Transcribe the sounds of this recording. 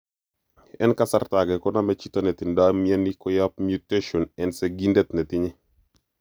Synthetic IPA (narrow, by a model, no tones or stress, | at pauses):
ɛ̰nkasartaɡɛkɔnamɛt͡ʃitɔnɛtindamɛnikɔjap̚mjuteʃɔnɛnsɛɡindɛt̪nɛtiɲɛ